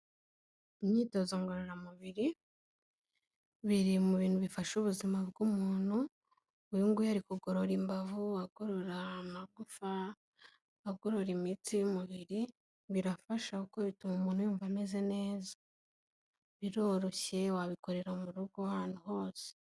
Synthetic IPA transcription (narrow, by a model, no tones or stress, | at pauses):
imɲiːto̞zoŋɡoɾoɾamuβiɾi | βiɾimuβiːn̥huβifaʃuβuzimaβɡumuːn̥hu | juŋɡujaɾikuɡo̞ɾo̞ɾimbavuaɡ̥oɾoɾamaɡufa | aɡoɾo̞ɾimit͡sijumuβiɾi | βiɾafaʃaukoβitumumuːnhujuːɱvame̞ze̞ne̞ːza | βiɾo̞ɾo̞çe̞waβiko̞ɾe̞ɾaomuɾuɡoahaːn̥huɦo̞ːse̥